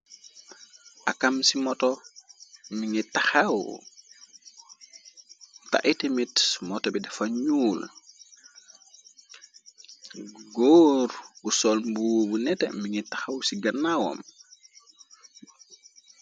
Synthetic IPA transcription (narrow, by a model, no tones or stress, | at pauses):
ʔakamsimɔtɔ | miŋitaxaw | ta̰ʔitemitmɔtɔbidɛfaɲul | ɡoːɾɡusɔlmbuwbunɛtɛmiŋitaxawsiɡɐnːawɔ̰m